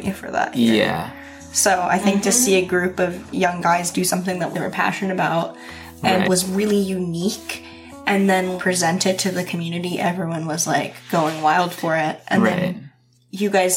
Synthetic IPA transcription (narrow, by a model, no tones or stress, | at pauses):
ɨfə̰˞ðæ̰t̚æ̰ | soʊʔa̰ɪθɪ̃ŋk̚tʰɨsiɨɡɹʉpʌvjʌ̃ŋɡaɪzdɨsʌ̃mθɪ̃ŋðət̪̚ðeɪwə̰˞pʰæ̰ʃɨ̃n̩ɨbaʊt̚ | ʔɨ̃nwʌzɹɪlˠijʉnik | ʔɨ̃nðɨ̃npʰɹ̥izɛ̃ntɨdtʰɨðɨkʰm̩jʉnɨɾiʔɛvɹiwʌ̃nwʌzla̰ɪkɡ̥oʊɪ̃ŋwaɪlˠd̥fə˞ɪt̚ʔɨ̃nðɨ̃n | jɨɡaɪz̥